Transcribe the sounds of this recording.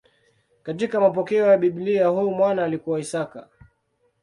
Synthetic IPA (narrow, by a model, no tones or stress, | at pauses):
katikamap̬ɔkɛɔjaɓiɓliahujumwanaːlikuwaisaka̰